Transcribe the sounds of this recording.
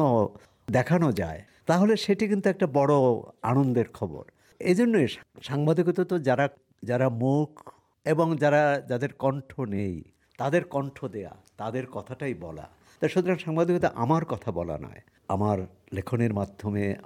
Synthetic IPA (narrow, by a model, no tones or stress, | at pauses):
o | d̪ɛkʰanod͡ʑa̰e | t̪aɦoleʃeʈikint̪uɛk̚ʈabɔɽoanond̪eɾkʰɔbo̰ɾ | ed͡ʑonːojʃʃaŋbad̪ikot̪ot̪od͡ʑaɾa | d͡ʑaɾamukʰ | eboŋd͡ʑaɾad͡ʑad̪eɾkɔɳʈʰonej | t̪ad̪eɾkɔɳʈʰod̪ea̰t̪ad̪eɾkɔt̪ʰaʈajbɔla̰ | t̪ajʃut̪oɾaŋʃaŋbad̪ikot̪oʔamaɾkɔt̪ʰabɔla̰nɔ̰e | amaɾ | lekʰoneɾmad̪ʱːome